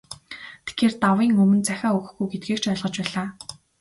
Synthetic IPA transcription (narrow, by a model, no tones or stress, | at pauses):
t̪ʰe̥xeːrt̪awiːŋɵmɵ̆nt͡sæxʲaːɵɣ̆xɡujɡet̪̚ɡiːkt͡ɕɔɮʁɞ̆t͡ɕpæːɮaː